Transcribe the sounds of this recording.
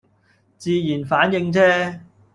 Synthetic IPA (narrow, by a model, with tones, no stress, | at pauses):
t͡siː˧jiː˨˩nfaː˨˥njɪ˧ŋt͡sʰɛː˥